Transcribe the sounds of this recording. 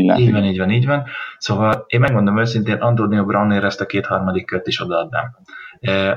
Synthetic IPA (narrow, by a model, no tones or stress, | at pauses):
iːɟvɒniːɟvɒniːɟvɒnso̞vɒleːmmɛɡmo̞nd̪oomøːsint̪eːnʔɒnd̪oːd̪iɒbrɒnːeːɾɛst̪ɒkeːt̪hɒrmɒd̪ikːøt̪ːiʃo̞d̪ɒɒd̪na̰mː